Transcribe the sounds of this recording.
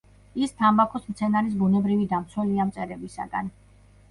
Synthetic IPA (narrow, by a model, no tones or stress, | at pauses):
ist̪ʰambakʰɔsmt̪sʰɛnaɾis̬bunɛbɾivid̪amt̪sʰwɛliamt̪sʼɛɾɛbisa̰ɡan